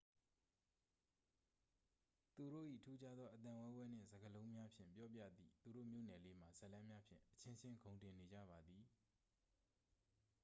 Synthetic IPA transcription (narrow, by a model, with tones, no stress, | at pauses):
t̪u˨ɾo̰˦˨ʔḭ˦˨ətʰu˦t͡ɕa˦d̪ðɔ˦ʔət̪ã˨wɛ̃˦bwɛ˦n̥ɪ̰̃˦˨zə˨ɡəlõ˦ʊ̃mja˦pʰjɪ̰̃˦˨mpjɔ˦p̬jä̰˦˨d̪ḭ˦˨t̪u˨ɾo̰˦˨mjo̰˦˨nɛ˨le˦m̥a˨zə˦ʔlã˦mja˦pʰjɪ̰̃˦˨ʔə̥t͡ɕʰɪ̃˦nt͡ɕʰɪ̃˦ŋɡõ˨ʊ̃ntɪ̃˨ne˨d͡ʑa̰˦˨ba˨d̪ði˨